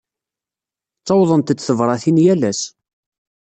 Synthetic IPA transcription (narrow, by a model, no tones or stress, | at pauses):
t͡sˤːɑwðˤənt̪t͡sːθəvɾˤɑθinjælæs